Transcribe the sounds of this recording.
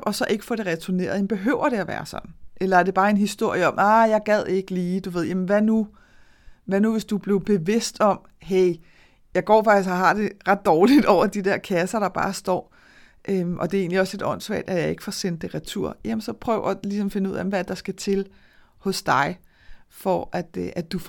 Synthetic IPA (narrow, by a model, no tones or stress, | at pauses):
ʔɒ̽sɒ̽ʔe̝ɡ̥əfɒɾ̥e̝ʁɛt͡sʰone̝̰ːɐð̩ˠjem̩b̥e̝ɦøʊ̰ɐɾ̥e̝æʋæ̰ːɐsɒ̽nn̩ʔelɐæɐd̥e̝b̥ɑ̈ːe̝nɦisd̥o̝ɐ̰jəɒ̽mʔɑjɑ̈ɪɡ̥ɛð̰ˠeeɡ̥əliːd̥uʋe̝ð̞̰ˠjæmən̩ʋænu | ʋænuʋe̝sd̥ub̥le̝ʊb̥e̝ʋe̝sd̥ɒ̽m | ɦeɪ | jɑ̈ɪɡ̥ɒ̰ːfɑ̈ɡ̥d̥ishɑɦɑ̈d̥e̝ʁɑ̈d̥ːɒːlid̥ɒʊ̰ɐd̥id̥eɐ̰kʰæsɐɾ̥ɑ̈b̥ɑ̈ːsd̥ɒ̰ː | ʔømʔɒ̽d̥e̝e̝ːnliɒ̽sle̝d̥ɒ̽n̰sʋɛ̰ɐ̰ːd̥æjɑ̈ɪe̝ɡ̥ə̥fɒsen̰d̥ːe̝ʁit͡sʰuɐ̰jæmənsɒ̽pʰʁœːʊɐlisɒ̽mfe̝nuð̰ˠæm̩ʋæd̥ɑ̈sɡ̥æt͡sʰe̝l | hɔ̽sd̥ɑ̈ɪ | fɒʔæd̥ʔæd̥uf